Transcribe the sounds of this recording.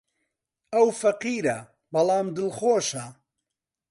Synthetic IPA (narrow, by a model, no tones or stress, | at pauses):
ɐwfɐqiːɾɐ | bɐlˠɑːmd̪ɨlxoːʃɐ